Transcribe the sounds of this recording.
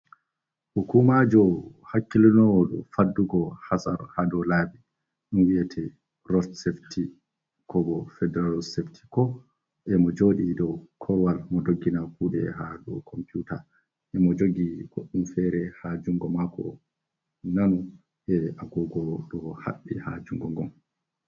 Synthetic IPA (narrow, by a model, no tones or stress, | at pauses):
hukumad͡ʒɔhakːilinɔwɔɗɔfadːuɡɔhasa̰ɾhadɔlabi | ɗunwiɛtʰɛ | rɔtseftʰi | kʰɔbɔfɛdɛɾalɔseftʰi̥kɔ | ʔɛmɔd͡ʒoːɗidɔkʰɔwalmɔdoɡːinafuɗɛ̰ɦaɗɔkʰɔmpiuta | ʔɛmɔd͡ʒoɡiɡoɗːumfɛɾɛhad͡ʒuŋɡɔmakɔ̰ | nanu | ʔɛʔaɡɔɡɔɗɔha̰ɓːihad͡ʒuŋɡɔŋɡɔm